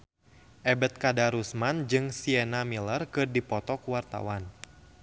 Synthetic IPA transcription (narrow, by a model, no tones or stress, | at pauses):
ʔɛbɛt̪̚kadaɾusmand͡ʒɨŋsiɛnamilərkɨrdipɔt̪ɔkuwart̪a̰wan